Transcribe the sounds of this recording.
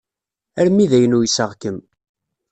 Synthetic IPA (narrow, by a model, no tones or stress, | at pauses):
æɾmːiðæjənujsəʁkəm